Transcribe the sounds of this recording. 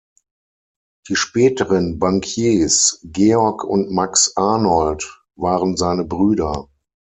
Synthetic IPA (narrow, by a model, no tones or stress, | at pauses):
d̥iːʃpɛːtəʁənbaŋkʰjeːsɡeːɔɐkʰʊ̰ntmaksʔaɐnɔlt | vaːʁənzaɪnəbʁyːdɐ